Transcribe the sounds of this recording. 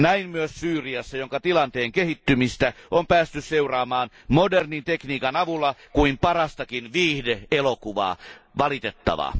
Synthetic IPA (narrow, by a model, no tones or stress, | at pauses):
næimmyøssyːriɑsːɑjoŋkɑt̪ilɑnt̪eːŋkehit̪ːymist̪æompæːst̪ysseurɑːmɑːn | modernint̪ekniːkɑnɑʋulːɑkuimpɑrɑst̪ɑkinʋiːhdeelokuʋɑ̰ːʋɑlit̪et̪ːɑ̰ʋɑ̰